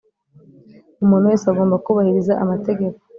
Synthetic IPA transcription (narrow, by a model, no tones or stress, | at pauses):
umuːn̤uwe̞ːseaɡoːmbakuβahiɾizaʔamate̞ɡe̞ko